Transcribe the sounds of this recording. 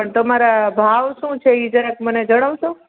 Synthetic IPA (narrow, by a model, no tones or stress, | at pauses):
pəɳt̪əmaɾabʱaʋʃũt͡ʃʰeid͡ʒɾakməned͡ʒəɽ̃əʋʃo